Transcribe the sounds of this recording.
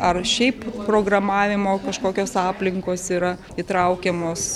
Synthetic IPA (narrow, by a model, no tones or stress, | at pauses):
ɐrʃʲɛɪppɾoːɡɾɐmɑːʋʲɪmoːkɐʃkoːkʲoːsɑːpʲlʲɪŋkoːsiːɾɐ | it̪ɾɐʊkʲɛmoːs